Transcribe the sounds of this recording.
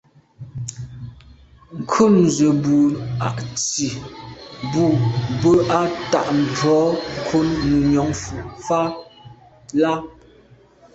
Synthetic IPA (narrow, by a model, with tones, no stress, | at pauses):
ŋ̩˨kʰu˦˨nzə˨bu˨a̰˨ʔt͡si˨ | bu˨bə˦ʔa˦ta̰˨ʔm̩˨bɔː˨˦ŋ̩˨kʰo˦nːu˨ɲɔ˨˦ŋfu˨ʔfa˦ | la˦